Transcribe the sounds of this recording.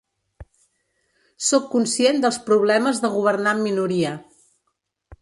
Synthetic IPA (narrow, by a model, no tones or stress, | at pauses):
sokːunsiend̪əlˠspɾuβ̞lɛməzðəɣ̞uβ̞ərnamːinuɾiə